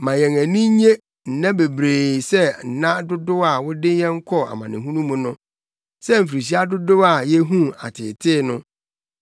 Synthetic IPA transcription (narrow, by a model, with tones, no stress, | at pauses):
mã˨jɛ̃˨ŋæ̃˨nĩ˦ɲe˦ | n̩˨nã˦be˨bɾeː˨sɛ˦n̩˨nã˦dʊ˦dʊ˦a˨wʊ˦dɪ˦jɛ̃˦ŋ̩˦kʰɔ˦a̰˨mã˨nɪ̰̃˨ɦũ˦nũ˦mũ˨nʊ̃˦ | sɛ˦m̩˨fi˨ɾi˨ɕ̬i˦a˦dʊ˦dʊ˦a˨jɛ˦ɦũ˦a̰˨tʰɪ̰˨tʰɪː˦nʊ̃˦